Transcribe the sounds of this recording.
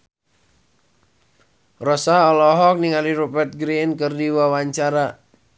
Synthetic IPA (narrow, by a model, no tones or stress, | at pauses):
rɔsaɔlɔɦɔk̚niŋaliɾɔpɛrt̪̚ɡɾinkɨrdiwawaɲt͡ʃaɾa